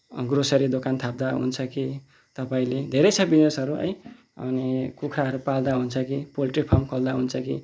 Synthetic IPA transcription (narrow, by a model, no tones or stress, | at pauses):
ɡrosʌɾid̪okant̪ʰap̚d̪aɦṵnt͡sʰʌki | t̪ʌpaĩled̪ʱeɾʌjt͡sʰʌbinesɦʌɾuʌ̰j | ʌ̰nikukʰɾaʌɾupald̪aɦunt͡sʰʌkipolʈripʰamkʌld̪aɦunt͡sʰʌkḭ